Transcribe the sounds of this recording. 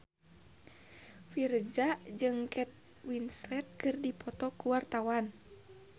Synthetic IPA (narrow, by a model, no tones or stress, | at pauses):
fird͡ʒad͡ʒɨŋkɛt̪̚ | winslɛt̪̚kɨrdipɔt̪ɔkuwart̪awan